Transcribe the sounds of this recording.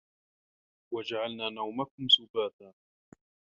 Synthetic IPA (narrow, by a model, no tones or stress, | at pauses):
wad͡ʒaʕalnaːnawmakʊmsʊbaːt̪aː